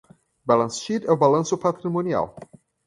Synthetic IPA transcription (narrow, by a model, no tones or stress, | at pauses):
balãnsʃitəbalãnsopʰat̪ɾimõnia̰l